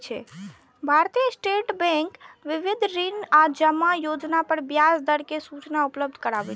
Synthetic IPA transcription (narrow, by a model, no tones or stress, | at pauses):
t͡ʃʰɛ̰ | bʱaɾt̪ijəsʈeʈbɛ̃ŋkʋiʋid̪ʱɾinad͡ʒəmːajod͡ʒnapəɾbjasd̪əɽkesut͡ʃnaupləb̚d̪ʱkəɾabɛ